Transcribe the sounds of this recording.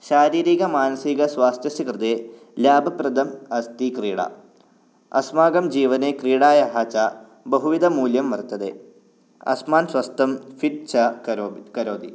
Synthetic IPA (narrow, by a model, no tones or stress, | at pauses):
ɕaːɾiːɾiːɣɐmaːnɐsiɣɐswaːst̪jɐsɐkrɨd̪e | laːbʱɐprɐd̪ɐmɐst̪ikriːɽɐ̰ | ɐ̰smaːɡɐmd͡ʑiːʋɐnekriːɽaːjɐɦaːt͡ɕa | bɐɦuʋid̪ɐmuːljɐmʋɐrt̪ːɐðḛ | ɐ̰smaːnswɐst̪ʰɐmfiʈ̚t͡ɕʰɐkɐɾoːd̪i